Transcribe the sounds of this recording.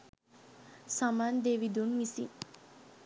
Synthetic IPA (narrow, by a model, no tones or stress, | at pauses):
samaːnd̪eːʋid̪unʋisḭ